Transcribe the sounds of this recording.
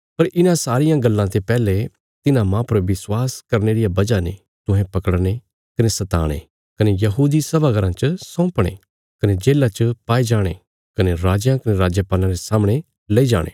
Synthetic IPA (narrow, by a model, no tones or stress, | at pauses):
pɐɾʔɪnãsaːɾɪjãɡɐlːãt̪epɛːle | t̪ɪnãmãpɐɾʋɪswaːskɐɾneːɾijabɐd͡ʒanḛ | t̪ʊ̃ɦɛ̃pɐkəɽñe | kɐnesɐt̪a̰ːɽ̃ḛ | kɐnejɐɦuːd̪isɐbaɡɐɾãt͡ʃəsɔ̃ːpɽ̃ḛː | kɐned͡ʒeːlːat͡ʃəpaːid͡ʒaːɽ̃ḛ | kɐneɾaːd͡ʒjãkɐneɾaːd͡ʒjəpaːlãɾesaːmɽ̃e | lɐid͡ʒa̰ːɽ̃ḛː